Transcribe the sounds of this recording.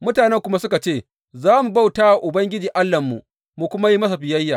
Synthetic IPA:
mʊ˦taː˨nɛ˦ŋkʷʊ˦ma˦sʊ˦ka˨t͡ʃeː˦˨ | zaː˦mu˨ba˦wtaː˦wa˨ʔʊ˨bɐ˦ŋɡʲɪ˦d͡ʒiː˨ʔa˦lːɐ˨mːṵ˨ | mu˨kʷʊ˦ma˦ji˦mɐ˦s̬a˨ɸɪ˨jɐ˦jːaː˨

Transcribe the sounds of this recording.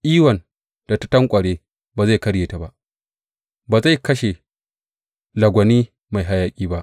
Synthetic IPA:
ʔiː˦wɐ˨n | d̥a˨ta˦tɐ˦ŋkʷʼɐ˨ɽeː˦ | baː˨za˦˨jkɐ˦ɽjeː˨ta˨ba˦ʔ | baː˨za˦˨jkɐ˦ʃe˨ | lɐ˨ɡʷɐ˨niː˦ | ma˨jɦa˦jaː˦kʲʼiː˦ba˦ʔ

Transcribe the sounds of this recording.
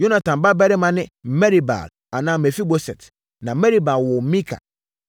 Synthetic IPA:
jo˦na˨tʰã˨mba˦bɛ˦ɾɪ˦mã˦nɪ̃˦mɛ˦ɾi˨ba̰˨l | a˨nãː˦˨mɛ˨fi˦bo˨sɛ̰˨t | nã˨˦mɛ˦ɾi˦ba˨lwɔ˨˦mĩ˦kʰa̰˨

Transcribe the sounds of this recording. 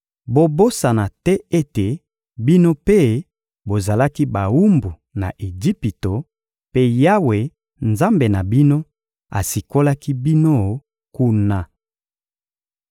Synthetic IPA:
bo˨bo˦sa˨na˨tɛ˦e˦te˨ | bi˦no˦pe˦ | bo˨za˨la˦ki˦ba˨wu˦mbu˨ | na̰˨ʔe˨d͡ʒi˦pi˨to˨ | pe˦ja˦we˨ | nza˦mbe˨na˨bi˦no˦ | a̰˨si˨ko˦la˦ki˦bi˦no˦ | ku˦na˦

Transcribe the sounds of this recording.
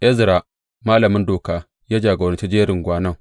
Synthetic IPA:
ʔɛ˦zɾa˨ | maː˦lɐ˨mɪ˦ndoː˨kaː˦ | jaː˦d͡ʒaː˨ɡo˨ɾɐ˨˦t͡ʃi˦d͡ʒeː˦ɾɪ˨ŋɡʷaː˦nɐ˦˨ŋ

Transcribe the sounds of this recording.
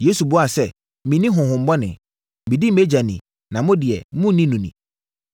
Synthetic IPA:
je˦su˨bʊ˦a˨sɛ˦ | mĩ˨nĩ˦ɦʊ̃˨hʊ̃˨m̩˨bɔ˦nɪ̰̃˨ | mĩ˨di˦m̩˨e˦d͡ʑa˨nḭ̃˨ | nã˨mʊ̃˦dɪ˨ɛ˨mʊ̃˦nĩ˦nũ˨nḭ̃˨

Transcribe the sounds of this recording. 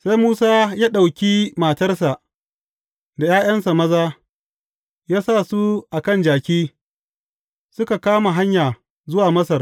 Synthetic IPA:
sa˦jmuː˦saː˦jaː˦ɗa˨wkʲiː˦maː˨tɐ˦rsa˨ʔ | da˨jaː˦jɐ˦nsa˨mɐ˦zaː˦ | jaː˦sa˦˨su˦ʔa˨kɐ˦nd͡ʒaː˨kʲiː˦ | sʊ˦ka˨kaː˦ma˨ɦa˦ɲjaː˨ | zʊ˦waː˨mɐ˦sɐ˨r

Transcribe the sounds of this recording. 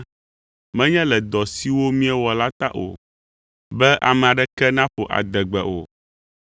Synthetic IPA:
mɛ̃˦ɲɛ̃˦lɛ˨d̪ɔ˨si˦wo˦mĩ˦ɛ˦wɔ˨la˦t̪a̰˦ʔo̰˨ | bɛ˦ʔa̰˨mɛ̃˨a˨ɖɛ˦kɛ˦nã˦ɸo˨ʔa̰˨d̪ɛ˨ɡ͡bɛ˨ʔo̰˨

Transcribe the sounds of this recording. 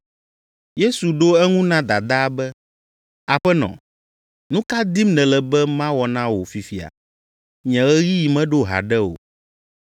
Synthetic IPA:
je˦su˨ɖo˦ɛ˦ŋũ˦nã˦d̪a˨d̪a˦bɛ˦ | a˨ɸɛ˦nɔ̰̃˨ | nũ˦ka˦d̪i˦mnɛ̃˨lɛ˨bɛ˦mã˦wɔ˨nã˦wo˨fi˨fi˨a̰˨ | ɲɛ̃˨ɣɛ˦ɣi˦ji˨mɛ̃˦ɖo˦ɦa̰˨ɖɛ˦o̰˨

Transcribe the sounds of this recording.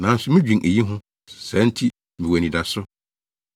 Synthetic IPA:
nã˨˦n̩˦sʊ˦mɪ̃˦d͡ʑᶣĩ˨nʔe˨ji˦ɦʊ̃˦ | sɛ̃˨˦n̩˦tʰi˦ | mĩ˨wæ˨nĩ˨da˨sʊ˦

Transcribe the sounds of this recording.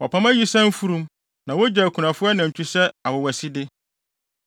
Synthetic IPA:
wɔ˨pʰã˦mã˦ji˦sɛ̃˦m̩˦fu˦ɾũ˦m | nã˨wo˦d͡ʑɛ˨kʰũ˨nã˨fʊ˦a˦nã˨ɲ˨t͡ɕʰᶣu˦sɛ˦a˨wɔ˨wæ˨si˦dɪ˦

